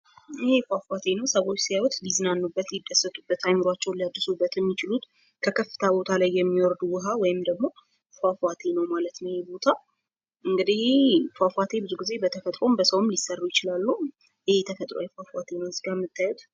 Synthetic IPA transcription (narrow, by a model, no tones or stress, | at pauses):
ɪhefafat̪ʰe̞nəwsəβo̞t͡ʃːsijawɔt̪lizɨnanːubːət̪lid̪ːəsːət̪ʼubːət̪ajmɨɾat͡ʃːɛwnliad̪ːɨsubːət̪jɛmːit͡ʃɪlut̪ | kʰəkʰəfːɨ̥t̪ʰabo̞t̪ʰalajːɛmːiwɔɾd̪uwɨɦawɔjɪmd̪əɡmo̞ | fafat̪ʰe̞nəwmalət̪nəwjebo̞t̪ʰa | ʔɨŋɡɨd̪ihfafat̪ʰe̞bɨzuɡize̞bət̪ʰəfət̪ʼɾo̞mbəsəwɨmlisərːujɪt͡ʃɪlalːu | ɪhet̪ʰəfət̪ʼɾo̰jɛfafat̪ʰe̞nəwzɨɡamːɨt̪ʰːajɛt̪